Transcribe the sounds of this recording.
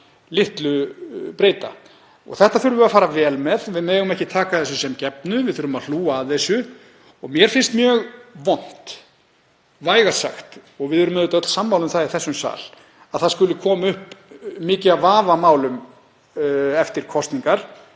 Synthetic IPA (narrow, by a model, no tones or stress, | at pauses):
lɪht̪lʏpɾeːjt̪a̰ | ɔ̰ɣθɛht̪aθʏɾvʏafaːɾavɛːlmɛðvɪðmeːɣʏmɛhcɪt̪ʰaːkaθɛsːʏsɛmcɛpnʏvɪðθʏɾʏmaðl̥uːaːðθɛsːʏ | ɔɣmjɛɾ̥fɪnst̪mjœːɣvɔn̥t̪ | vaːjɣasa̰xt̪ɔɣvɪðʏɾʏmːɛðʏt̪œt̪lsamːawlʏmθaiθɛsːʏmsa̰ːl | aðθaðskʏlʏkʰɔːmaʏhpmɪːcɪavaːvamaːwlʏm | ɛft̪ɪɾ̥kʰɔst̪niŋkaɾ̥